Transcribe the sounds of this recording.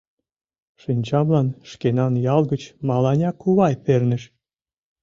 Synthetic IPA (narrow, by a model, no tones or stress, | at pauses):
ʃinʲt͡ɕɑmlɑnʃkenɑnjɑlˠɡət͡ɕmɑlɑnʲɑkːuβɑjpernɘ̆ʃ